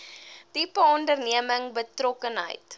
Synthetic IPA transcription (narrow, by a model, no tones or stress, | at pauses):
tipəɔndərniəməŋbətrɔkənɦə̰jt